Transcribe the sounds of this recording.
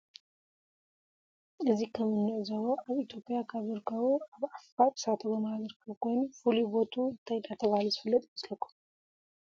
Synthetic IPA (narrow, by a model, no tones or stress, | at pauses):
ʔɨzihkʰəmɨnːɨʔzəwoʔaβit̪ʰjo̞pʼɪjakʰaβɨɾkʰawuaβʔafat̪sat̪ʰəbəmaaɡ̪ɨɾkʰəwkojnfulibot̪ʰuɨnt̪ʰajnat̪ʰəβalusɨfɨlːət̪ʼɪməsləkʰːu̥